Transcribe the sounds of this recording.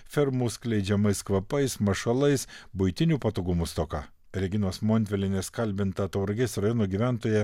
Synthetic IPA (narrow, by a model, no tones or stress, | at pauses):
fʲɛɾmuːsklʲɛɪd͡ʒʲɛmɐɪskʋɐpɐɪsmɐʃɐlˠɐɪsbʊɪt̪ʲɪnʲuːpɐt̪oːɡʊmust̪okɑ̰ː | ɾʲɛɡʲɪnoːsmoːnʲʋʲɛlʲɪnʲeskɐlʲbʲɪnt̪ɐt̪ɐʊɾɐɡʲɛsɾɐjoːnoːɡʲiʋʲæˑnt̪oːjɛ